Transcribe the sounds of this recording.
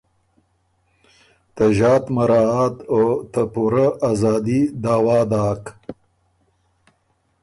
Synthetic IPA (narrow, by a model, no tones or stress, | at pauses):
t̪əʒɑːt̪maɾɑat̪ot̪əpuɾaʔazɑːd̪id̪aːwɑːd̪ɑːk